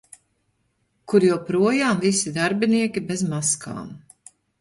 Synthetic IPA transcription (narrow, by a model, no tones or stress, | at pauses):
kuɾjuːpɾuɔjaːmvisid̪aɾbʲiniɛkʲibezmaska̰ːm